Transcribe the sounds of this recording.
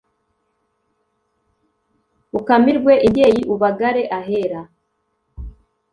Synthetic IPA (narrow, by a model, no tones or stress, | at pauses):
ukamiɾɡwe̞ʔiɟeːjiʔuβaɡaɾe̞ʔaɦe̞ɾa